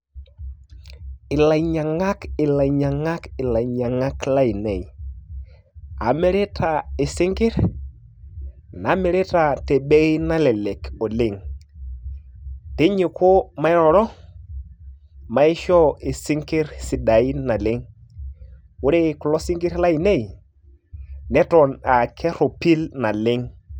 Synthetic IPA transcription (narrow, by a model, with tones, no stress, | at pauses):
ɪ˨la˨ɲa˨ŋa˦kɪ˨la˨i˨ɲa˨ŋa˦kɪ˨la˨ɲa˨ŋa˦kla˦i˨ne˨i˨ | a̰˨me˦ɾe˦tʰa˨ɪ˨sɪ˦ŋkɪ˦ɾ | na˨˦me˨˦ɾe˦ta˨te˨be˦i˦na˦lɛ˨le˨kɔ˨lɪ˦˨ŋ | te˦ɲi˨ko˦ma˦ɪ˦ɾɔ˨ɾɔ˦ | ma˦i˦ʃɔ˦e˨sɪ˦ŋkɪ˦ɾsi˨da˨i˦na˨lɪ˦ŋ | wʊ˦ɾe˦˨ku˨lɔ˦si˦ŋɡɪ˦ɾla˦i˨ne˦˨i˨ | nɛ˦tɔ˨na˨kʰɛ˦ɾo˨pi˦lna˨lɪ˦ŋ